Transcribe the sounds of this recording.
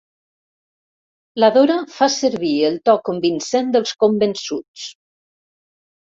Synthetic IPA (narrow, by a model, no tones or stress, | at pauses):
laðoɾafasəɾβielˠt̪ɔkəmbinsɛnd̪əlˠskombənsut͡s